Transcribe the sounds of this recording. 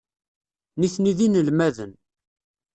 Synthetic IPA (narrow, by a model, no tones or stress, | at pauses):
niθniðinəlmæðən